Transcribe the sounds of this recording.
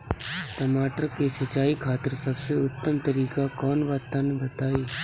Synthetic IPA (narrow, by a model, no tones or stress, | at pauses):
t̪ɐmaːʈəɾkesɐt͡ʃaːikʰaːt̪əɾsɐbseʊt̪ːəmt̪ɐɾiːkakɔːnʋaːt̪anbɐt̪aːiː